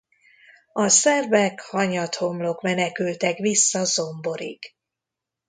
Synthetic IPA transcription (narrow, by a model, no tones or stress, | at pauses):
ɒsɛrvɛkhɒɲɒt̪ho̞mlo̞kmɛnɛkylt̪ɛkʋisːɒzo̞mbo̞ɾḭɡ